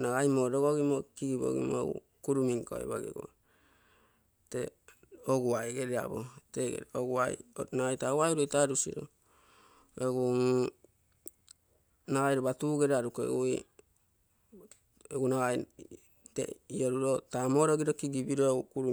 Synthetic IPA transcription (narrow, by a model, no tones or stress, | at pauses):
naɡajmoɾoɡoɡimokiɡibo̰ɡḭmo̰ṵ | kuɾumiŋko̰ḛba̰ɡḛɡo̰ | te | oɡuajɡeɾea̰bo̰teɡḛɾoɡuajnaajtawajuɾojtaɾusḭɾo̰ | eɡum | naɡajɾobatuɡeɾaɾukoḛɡui | eɡunaaj | tḛioɾuɾotamo̞ɾoɡiɾokiɡibiɾoukuɾu